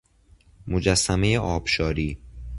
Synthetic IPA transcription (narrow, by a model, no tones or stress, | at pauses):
mod͡ʒæsːæme̞jeʔɒːb̥ʃɒːɾiː